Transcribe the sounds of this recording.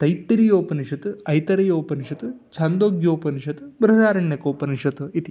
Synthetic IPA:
t̪ɐjt̪ːiɾijoːpɐniʃɐt̪ɨɐjt̪ɐɾɐjoːpɐniʃɐt̪ɨt͡ʃʰɐnd̪oːɡjoːpɐniʃɐt̪ɨbɾɐd̪aːɾɐɳjɐkoːpɐniʃɐt̪ɨit̪i

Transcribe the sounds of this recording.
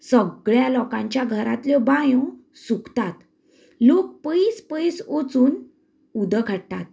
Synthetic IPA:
səɡɭjalɔkãɲt͡ɕjaɡʱəɾa̰t̪ljebãjõ | sukt̪at̪ | lok̚pəjispəjsot͡suːn | ud̪əkʰəɽt̪at̪

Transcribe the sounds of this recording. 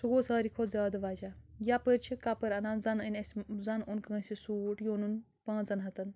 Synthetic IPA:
suɡoːsaːɾikʰozʲaːd̪ʋaːd͡ʒajapəɾt͡ʃʰikapəɾɐnaːnzɐnɐnʲɐszanunkɨɡɐ̃nsʲisuːʈjoːnun | pãːnzɐnɦɐt̪ɐn

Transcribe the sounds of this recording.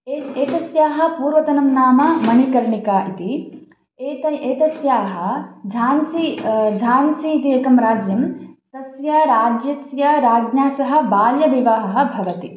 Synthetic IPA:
eeːt̪ɐsjaːɦɐ̆puːɾʋɐt̪ɐnɐmnaːmɐmɐnikɐɾɳikaːʔit̪i | eːt̪ɐeːt̪ɐsjaːɦɐ̆d͡ʒʱaːnsid͡ʒʱaːnsiːt̪ieːkɐmɾaːd͡ʒjɐmt̪ɐsjɐɾaːd͡ʒjɐsjɐɾaːɡnaːsɐɦɐ̆baːljɐʋiʋaɦɐɦɐ̆bʱɐʋɐt̪i

